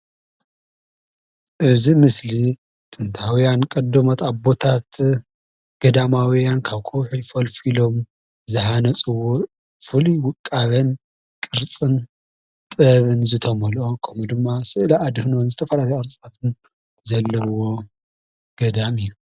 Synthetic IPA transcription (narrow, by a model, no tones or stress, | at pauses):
ʔɨzimɨsli | t̪ʼɨnt̪ʰawijankʼɐd̪ːɐmot̪abo̞t̪ʰat̪ | ɡ̥ɐd̪amawijankʰaβkʰowħujfɐlfilo̞m | zɨħanɐt͡sʼɨwo | fɨluwʊkʼːaβɐn | kʼɨɾt͡sʼɨn | t̪ʼɨβɨnzɨt̪ʰɐmɐlokʰɐmud̪ɨmːasɨʔlaːd̪hnonzɨt̪ʰɐfɐlalɐjʼɐɾt͡sʼt̪ʰat̪ʰɨn | zɐlːɐwo̞ | ɡ̥ɐd̪amiːu